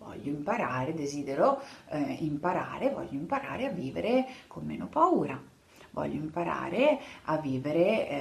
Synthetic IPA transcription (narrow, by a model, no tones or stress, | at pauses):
vɔ̰ʎːoimpaɾaːɾed̪eziːd̪eɾo | impaɾa̰ːɾevɔ̰ʎːoimpaɾa̰ːɾeavːiːvḛɾekʰomːeːnopauːɾa | vɔ̰ʎːoimpaɾa̰ːɾeavːiːveɾe